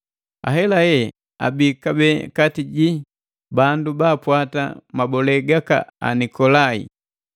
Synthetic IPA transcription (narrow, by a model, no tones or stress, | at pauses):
a̰ɦɛlajɛ | a̰bikabɛkatiɟi | bandubaːpwata̰mabɔlɛɡaka̰a̰nikɔlaḭ